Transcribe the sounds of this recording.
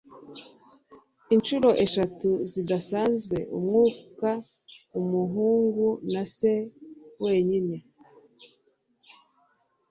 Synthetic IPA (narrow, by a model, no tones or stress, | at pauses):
inʃuɾo̞ʔe̞ʃatuzidasaːnzɡwe̞̰ʔumŋuːka | umuɦuːŋɡunase̞we̞ːɲine̞